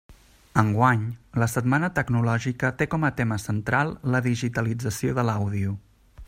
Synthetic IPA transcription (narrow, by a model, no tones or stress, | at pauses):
əŋɡwaɲləsət̪manət̪əɡnulɔʒikət̪ekɔmət̪eməsənt̪ɾalˠːəðiʒit̪əlid͡zəsioðəlawðiu